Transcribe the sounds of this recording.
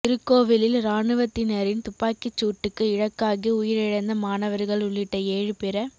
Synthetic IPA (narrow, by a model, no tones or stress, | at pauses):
ɪɾɯkːoːʋɪlɪlɾaːɳɯʋɐt̪ːɪnɐɾɪnt̪ʊpːaːkɪt͡ʃːuːʈːɯkːɯɪɻɐkːaːɣiʊjɪɾɪɻɐnd̪ɐmaːnɐʋɐɾɣɐɭʊɭːɪʈːɐeːɻɯpɛɾɐ